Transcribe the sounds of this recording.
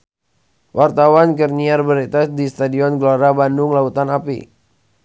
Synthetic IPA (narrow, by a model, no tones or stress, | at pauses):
wʔart̪awankərniarbəɾit̪adist̪adiɔnɡloɾabandʊŋlaut̪anapḭ